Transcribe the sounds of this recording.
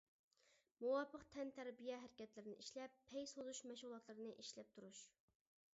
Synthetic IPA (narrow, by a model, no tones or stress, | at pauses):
muwɑpʰːəqt̪ʰɛnt̪ʰæɾbijɛɦæɾɪkʲɛt̪lɪɾɪnɪ̰ʔiʃlɛpʰːɛjsozuʃmɛʃʁulˠɑt̪lˠɨɾɨnɨʔiʃlɛp̚t̪ʰuɾuʃ